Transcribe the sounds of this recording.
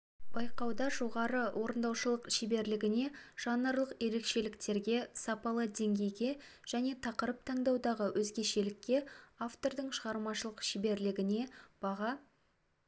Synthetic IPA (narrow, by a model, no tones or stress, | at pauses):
b̥ɑjqɑwd̪ɑʒo̞ʁɑɾəwʔo̞ɾənd̪ɑwʃəlˠəqʃebe̞ɾlɪɡʲɪne̞ʒ̥ɑnəɾlˠəqje̞ɾe̞kʃe̞lɪkt̪e̞ɾɡʲe̞sɑpɑlˠəd̪e̞ŋɡʲe̞jɡʲe̞ʒ̥æne̞t̪ʰɑqəɾəp̚t̪ʰɑɴd̪ɑwd̪ɑʁəwʔɵzɡʲe̞ʃe̞lɪkʲːe̞aft̪o̞ɾd̪əɴʃəʁɑɾmɑʃəlˠəqʃɪbe̞ɾlɪɡʲɪne̞b̥ɑʁɑ